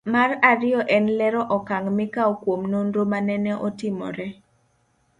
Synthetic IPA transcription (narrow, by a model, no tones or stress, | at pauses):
maraɾɪjɔʔɛnlɛɾɔʔɔkaŋmɪkaokwomnondomanɛnɛʔɔtɪmɔ̰ɾɛ